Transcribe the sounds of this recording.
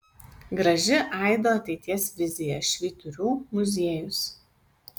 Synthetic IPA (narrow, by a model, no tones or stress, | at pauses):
ɡɾɐʒʲɪʔɐˑɪd̪oːɐt̪ʲɛɪt̪ʲiɛsʲʋʲɪzʲɪjɛʃʲʋʲiːt̪ʊɾʲuːmʊzʲiɛjʊs